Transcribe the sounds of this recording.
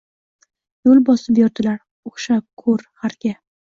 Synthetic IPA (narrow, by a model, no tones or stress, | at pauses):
jolˠbɒsɪpjɒɾd̪ɪlaɾ | oχʃakʰɵɾhaɾɡʲa